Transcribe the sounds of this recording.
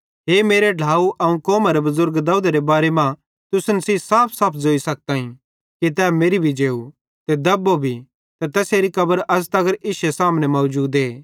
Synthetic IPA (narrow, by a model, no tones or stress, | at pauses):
ɦeːmeːɾeɖʱaːuʔɐũkɔːmaɾebɐzʊɾɡd̪aːud̪aɾebaːɾemã | t̪ʊsnɐsiːsaːpʰsaːpʰzoːisɐk̚t̪aːɦĩ | kit̪̬ɛːmeːɾibʱid͡ʒeːu | t̪ed̪ɐbobʱi | t̪ɐt̪ɛːseːɾikɐbəɾɐst̪ɐɡəɾʔɪʃesaːmnemɐːd͡ʒuːd̪eː